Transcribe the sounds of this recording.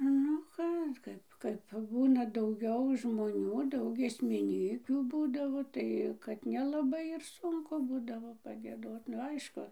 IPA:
ˈnʊ ˈkɑː ˈkɐɪp kɐɪp ˈbuːnɐ dɐʊˈɡʲɛʊ ʒmoːˈnʲuː ˈdɐʊk ɡʲiɛsʲmʲɪˈnʲiːkʲuː ˈbuːdɐʋoː ˈtɐɪ kɐt nʲɛlˠɐˈbɐɪ ɪr ˈsʊŋkʊ ˈbuːdɐʋoː pɐɡʲiɛˈdoːt nʊ ˈɐɪʃkʊ

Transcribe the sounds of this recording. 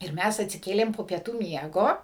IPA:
ɪr ˈmʲæs ɐtʲsʲɪˈkʲeːlʲeːm poː pʲiɛˈtuː ˈmʲiɛɡoː

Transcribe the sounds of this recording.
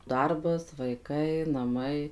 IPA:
ˈdɐrbɐs ʋɐɪˈkɐɪ nɐˈmɐɪ

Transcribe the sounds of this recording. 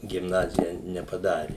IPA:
ɡʲɪmˈnɑːzʲɪjɛ nʲɛpɐˈdɑːrʲɪ

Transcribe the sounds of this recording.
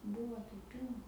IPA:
ˈbʊʋoː jɛʊ ˈpʲiːlˠnɐ

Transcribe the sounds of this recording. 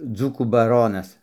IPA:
ˈd͡zuːkuː bɐˈroːnɐs

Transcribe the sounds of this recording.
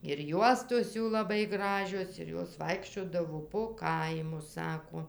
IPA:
ɪr ˈjuɔstoːs ˈjuː lˠɐˈbɐɪ ˈɡrɑːʒʲoːs ɪr ˈjoːs ˈʋɐɪkʃʲt͡ʃʲoːdɐʋoː poː ˈkɐɪmʊs ˈsɑːkoː

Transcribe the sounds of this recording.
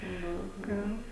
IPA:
ˈnʊ ˈɡɐn

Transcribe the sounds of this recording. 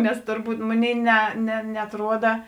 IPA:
ˈnʲɛs tʊrˈbuːt ˈmoːˌnʲeːɪ nʲɛ nʲɛ nʲɛɐtˈruɔdɐ

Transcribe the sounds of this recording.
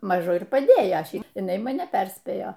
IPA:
ˈmɑːʒʊ ɪr pɐˈdʲeːjoː ˈʃʲɛɪp jɪˈnɐɪ mɐˈnʲɛ ˈpʲɛrʲsʲpʲeːjoː

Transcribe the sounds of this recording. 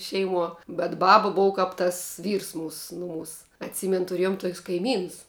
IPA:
ˈʃʲɛɪˌmuɔ bʲɛt ˈbɑːbɐ ˈboːʋɐ ˈkɐp tɐs ˈʋʲiːrs ˈmuːs ˈnʊˌmuːs ɐtʲˈsʲiːmʲɛn tʊˈrʲeːjoːm tuɔkʲsʲ kɐɪˈmʲiːnʊs

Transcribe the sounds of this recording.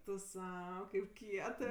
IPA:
tʊ ˈsɐʊ kɐɪp ˈkʲiɛtɜ

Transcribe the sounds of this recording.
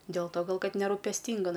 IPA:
dʲeːlˠ toː ˈɡɐlˠ ˈkɐt nʲɛruːpʲɛsʲˈtʲiːŋɡɐ

